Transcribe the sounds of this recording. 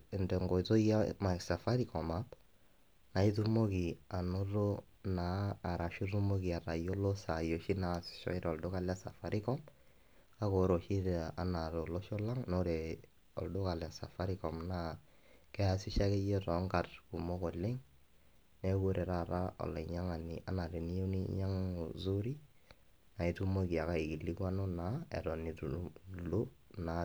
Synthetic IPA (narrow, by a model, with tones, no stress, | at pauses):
ɪ˨ndɛ˨ŋɡo˨jto˦ja̰˦ma˨sa˨fa˦ɾi˦kɔ˨ma˨˦t | na˨i˦tu˦mo˦ki˨a˨no˦ɾo˦ | naː˨˦˨ɾa˨ʃi˦ɾu˦mo˦ki˨a˨ɾa˨jo˦lo˦sa˨jo˨ʃi˦na˨si̥˨ʃɔ̰˦ɪ˦ɾɔ˨ldʊ˦ka˦la˦sa̰˨fa˨ɾi˦kɔ˦m | ka˦ko˨˦ɾo˨ʃi˦ɾa˨na˨ɾo˨lo˦ʃɔ˦la˦ŋno˦ɾe˨ | ɔ̰˨ldʊ˦ka˨lja˨sa˨fa˦ɾi˦kɔ˨mna˦ | kɛ˦a˨si˦ʃa˦ke˦je˦tɔ˨˦ŋɡa˨tku˨mo˦ko˨le˦ŋ | ne˦ɡo˦ɾe˨ɾa˦ɾa˦ɔ̰˨la˨ɲa˦ŋa˨ni˨a˦na˨ɾe˨ni˦jo˦ni˦ɲa˦ŋzu˦ɾi˦ | na˨i˨tu˦mo˦˨ki˨a˨ka˦i˨ki˨li˦kwa˦no˦naɛ̰˨tɔ˨ni˨tu˨lo˦ | na˨